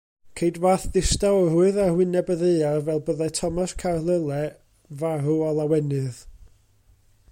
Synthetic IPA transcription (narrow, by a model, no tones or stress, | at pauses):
kʰejdvaːθðɪstaɔruɨðahwɪnɛbəðearvɛlˠbəðɛtʰɔmaskʰarlˠəlˠɛ | vaɾuɔlˠawɛnɨð